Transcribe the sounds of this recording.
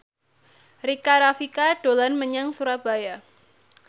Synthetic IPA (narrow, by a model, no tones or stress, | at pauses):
rikaɾafikaɖ̥o̤lanməɲaŋsuɾab̥a̤ja